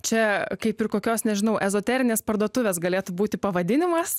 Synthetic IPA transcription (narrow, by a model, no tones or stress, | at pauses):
t͡ʃʲɛkɐɪpɪrkoːkʲoːsnʲɛʒʲɪnɐʊʔɛzoːt̪ʲɛːɾʲɪnʲeːspɐrd̪uɔt̪ʊʋʲeːs̬ɡɐlʲeːt̪ubuːt̪ʲɪpɐʋɐd̪ʲɪnʲɪmɐs